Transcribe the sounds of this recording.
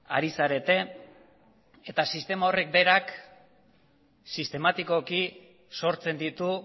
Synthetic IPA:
a̰ɾisaɾe̞t̪e̞ | et̪asist̪e̞mao̞re̞k̚be̞ɾak | sist̪e̞mat̪iko̞ki | so̞ɾt͡se̞nd̪it̪u

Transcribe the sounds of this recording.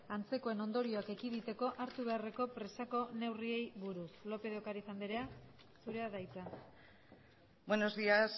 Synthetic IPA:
ant͡se̞ko̞e̞no̞nd̪o̞ɾio̞ake̞kiðit̪e̞ko̞ʔaɾt̪uβ̞e̞are̞ko̞pɾe̞sako̞ne̞wrie̞jβuɾuslo̞pe̞ð̞o̞kaɾisand̪iɾe̞a | suɾe̞aðajt͡sa | bweno̞zðias

